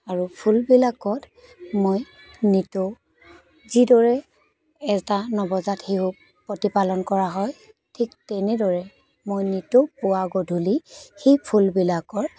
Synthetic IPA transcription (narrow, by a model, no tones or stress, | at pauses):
aɹupʰulbilakɔt | moj | nito | zidɔɹɛ | ɛztanɔbɔzatxeɦu | pɹɔtipalɔnkɔɹaɦɔj | tʰiktɛnɛdɔɹɛ | mojnitopʊwaɡɔdʱulixejpʰulbilakɔɹ